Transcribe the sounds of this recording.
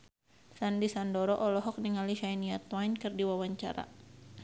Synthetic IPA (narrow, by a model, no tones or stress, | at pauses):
sandisandɔɾɔʔɔlɔɦɔk̚niŋaliʃainiat̪wajnkɨrdiwawaɲt͡ʃa̰ɾa̰